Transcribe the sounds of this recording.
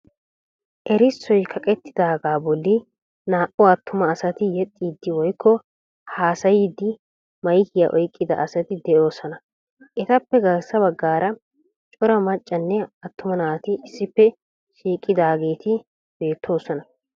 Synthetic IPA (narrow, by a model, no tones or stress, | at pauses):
ʔɛɾɪsːɔjkʰɐkʼɛt̪ʰːɪ̥d̪aːɡaːbɔlːɪ | naːʔɔɐt̪ːʊmɐːsɐt̪ɪjɛt̪ʼːiːd̪ːɪwɔjkʰːɔ | haːsɐjid̪ːɪ | mɐjkɪjaʔɔjkʼːɪd̪ɐʔɐsɐt̪ɪd̪ɛʔo̞ːsɔnɐ | ʔɛt̪ɐpːɛɡɐlsɐbɐɡːaːɾɐ | t͡ʃʼɔɾɐmɐt͡ʃʼːɐnːɛɐt̪ːʊmɐnaːt̪ɪɪsːɪpːɛ | ʃiːkʼːɪd̪aːɡe̞ːt̪ɪ | b̥e̞ːt̪ʰːo̞ːsɔnɐ